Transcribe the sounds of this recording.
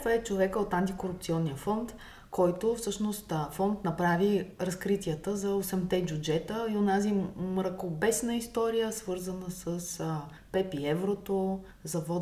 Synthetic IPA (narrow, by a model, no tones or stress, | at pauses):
vəɛt͡ʃovɛkəot̪ant̪ikoɾup̚t̪siɔnːiəfɔnt̪ | kʰɔjt̪ofsɤʃnost̪fɔnt̪nɐpɾaviɾɐskɾit̪ʲiət̪əzɐosɛmt̪ɛbʲud͡ʒɛt̪əionazimɾɐkobɛsnəist̪ɔɾijəsvɤɾzənəsəs | pɛpiɛvɾot̪o | zɐvɔ